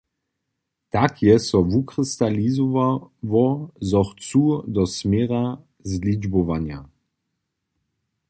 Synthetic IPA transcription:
t̪akʰjɛsɔvukʁist̪alizɔavɔzɔχt͡sud̪ɔsmɛʁa | zlid͡ʒbɔvanja

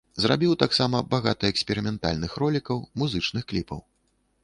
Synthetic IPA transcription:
zɾabʲiwt̪aksamɐbaɣat̪ɐɛksʲpʲɛɾɨmʲɛnt̪a̰lʲnɨxrɔlʲikɐwmuzɨt͡ʂnɨxklʲipɐ̰w

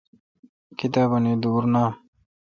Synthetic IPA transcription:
kit̪aːbɐnid̪uːɾna

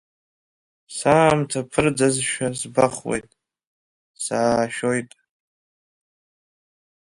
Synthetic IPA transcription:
saːmtʰapʰɨrd͡zazʃᶣasbaχwḛjtʼ | saːʃᶣo̞jtʼ

